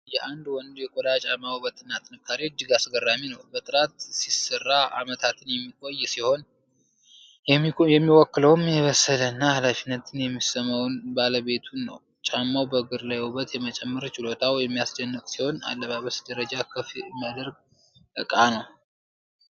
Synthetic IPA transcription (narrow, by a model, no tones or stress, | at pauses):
jɛʔand̪wɔnd̪ujɛkʼod̪at͡ʃʼamawbət̪ʼɨnat̪ʰnɨkʰːaɾewd͡ʒɨɡasɡərːaminəwbət̪ʼɨɾat̪sisərːaʔa̰mət̪ʰat̪ʰɨnjɛmːikʼo̞jːsiho̞n | jɛmːiwɔkːɨləwmjɛβəsələnːahalafinːət̪ʰɨnjɛmːisəmawnbaləβe̞t̪ʰunːə̰w | t͡ʃʼamːawbəɡɨɾlajɛhubət̪jɛmət͡ʃʼɛmːɨɾt͡ʃʼɪlo̞t̪ʰawjɛmːijasd͡ʒənːɨkʼsiho̞na̰lːəβaβəsd̪̥əɾəd͡ʒakʰəfimːijad̪əɾɡ | ʔɨkʼanəw